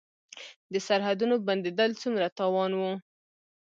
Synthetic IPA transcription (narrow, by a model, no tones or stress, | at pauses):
d̪əsaɾɦad̪unoband̪ed̪əlt͡sumɾat̪ɑwɑnwu